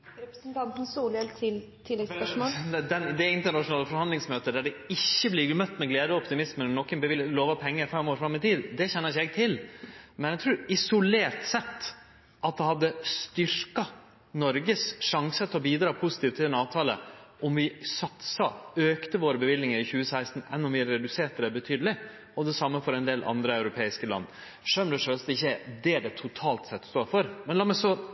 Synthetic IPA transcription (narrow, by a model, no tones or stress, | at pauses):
ɾɛpɾəsnt̪ʰɑnt̪n̩suːlɛlt̪ʰɪl | t̪ʰɪlːɛɡspʂmoːld̪ɛnd̪ɛɪnt̪əɳɑʂʊnɑːləfɔɾhɑnd̪lɪŋsmøːt̪əd̪æɖɛɪçːəblɪɡmœt̪ːmɛɡleːd̪əɔpt̪ɪmɪsmənnɔkːənbəʋɪlloːʋɑpʰɛŋːəɾfɛmːoːɾfɾɑmːɪt̪ʰiːd̪d̪ɛçɛnːəɾɪçːəɛɡt̪ʰɪlmɛnɛɡt̪ʰɾʉːɾɪsʊleːɾʈ̪sɛt̪ː | ʔɑt̪̚d̪ɛhɑd̪ːəst̪ʏɾkɑ | nɔɾɡəsʂɑŋsət̪ʰlɔbiːd̪ɾɑːpʰusɪt̪iːʋt̪ʰːɪlɛnɑːʋt̪ʰɑːlə̰ʔɔmʋɪsɑt̪sɑøːkt̪əʋoːɾəbəʋɪlːnɪŋəɾɪçʉːəsæɪst̪n̩ɛ̰nːɔmʋɪæɾɛd̪ʉseːʈəd̪ɛbət̪ʰyːd̪əlɪ | ɔd̪ɛsɑmːəfɔɾɛnd̪eːlʔɑ̰nd̪ɾəɑʉɾʊpʰeːɪskəlɑ̰nː | ʂœmd̪ɛʂøːst̪əɪçːəd̪ɛæɖɛt̪ʰʊt̪ʰɑːlt̪sɛt̪ːst̪oːɾfɔɾmɛnlɑːmɛsɔ